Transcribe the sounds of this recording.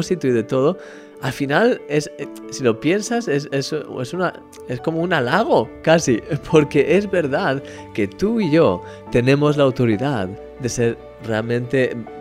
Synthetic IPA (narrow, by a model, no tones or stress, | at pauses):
sit̪oiðe̞t̪o̞ð̞o̞ | alfinalessilo̞pje̞nsasesesesuna | esko̞mounalaɣ̞o̞kasipʰo̞ɾke̞ʔe̞zβe̞ɾðað | ke̞t̪uiʝo̞ | t̪e̞nẽ̞mo̞zlawt̪o̞ɾiðað | d̪e̞se̞ɾ | re̞almẽnt̪e̞